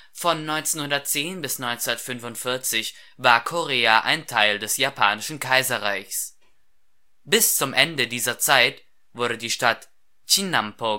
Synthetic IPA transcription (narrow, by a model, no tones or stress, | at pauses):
fɔnːɔʏnt͡senhʊndɐt̚t͡seːnbɪsnɔʏnt͡sɪnɐtfʏnvʊntfɪɐt͡sɪçvaːɐkʰoʁeːaʔa̰ɪntʰaɪldɛsjapʰaːnɪʃn̩kʰaɪzɐʁaɪçs | b̥ɪst͡sʊmʔɛndədiːzɐt͡saɪt | vʊɐɾədiːʃtat | t͡ʃinampo